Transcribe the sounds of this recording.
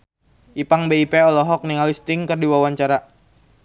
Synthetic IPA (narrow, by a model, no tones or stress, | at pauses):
ʔipaŋbeipeɔlɛɦɔk̚niŋalist̪ɪŋkərdiwawaɲt͡ʃaɾa